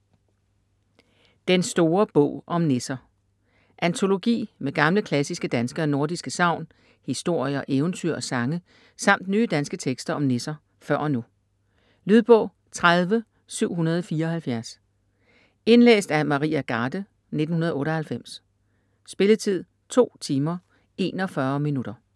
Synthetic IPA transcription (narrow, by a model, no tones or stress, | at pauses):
d̥ensd̥o̝ːɐb̥ɔ̰ʊ̰ʔɒ̽mne̝sɐ | ʔænt͡sʰo̝lo̝ɡ̥ḭːmeɡ̥ɑ̈mləkʰlæsisɡ̥əd̥ænsɡ̥ɐɒno̝ɐd̥isɡ̥əsɑ̈ʊ̰n | hisd̥o̝ɐ̰jɐʔeːʊnt͡sʰy̰ɐ̰ɒsɑ̈ŋə | sɑ̈m̰d̥nyːəd̥ænsɡ̥ət͡sʰeɡ̥sd̥ɐɒ̽mne̝sɐ | fɶɐ̰ɒ̽nu | lyð̞ˠb̥ɔ̰̽ʊ̰ | t͡sʰʁað̞ˠʋə | syʊ̰hunɐð̞ˠɒfiːɐɒ̽hælfjæɐs | e̝nlḛːsd̥æɐmɑ̈ʁḭːæɡ̥ɑ̈ːd̥ə | ne̝d̥n̩hunɐð̞̩ˠɔ̽ːɾɒ̽hælfem̰s | sb̥e̝lət͡sʰið̞̰ˠ | t͡sʰo̝̰ːt͡sʰiːmɐ | e̝̰ːnɒ̽fɶɐminuɾ̥ɐ